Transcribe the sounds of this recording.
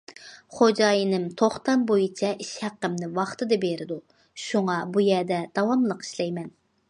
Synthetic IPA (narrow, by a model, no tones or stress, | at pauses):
χod͡ʒɑjinɪmt̪ʰoχt̪ɑnbojit͡ʃʰɛʔiʃhæqːəmnɪwɑχt̪ɨd̪ɨbeɾɪd̪u | ʃuŋɑbujɛd̪ɛd̪̥ɑwɑmlˠəqi̥ʃlɛjmɛn